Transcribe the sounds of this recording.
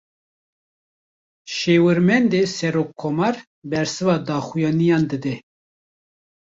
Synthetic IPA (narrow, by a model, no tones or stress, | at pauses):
ʃeːwɨɾmɛnd̪eːsɛɾoːkʰːomɑɾ | bɛɾsɨvɑːd̪ɑːxujɑːnijɑːnd̪ɨd̪ɛ